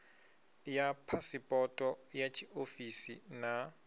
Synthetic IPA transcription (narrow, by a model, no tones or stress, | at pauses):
japʰasɪpʼɔtʼɔjat͡ʃʰiʔofisina